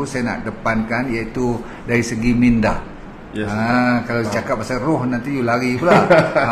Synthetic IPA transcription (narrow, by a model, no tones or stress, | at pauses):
usajana̰ʔdəpankanjait̪u | daɾisəɡiminda | əkalawit͡ʃakap̚asarʊhnant̪ijulaɡipula